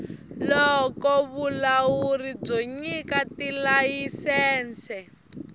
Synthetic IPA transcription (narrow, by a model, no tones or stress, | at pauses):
lɔkɔβulaurib͡ʐɔɲikatilajisɛːnt͡sʰɛ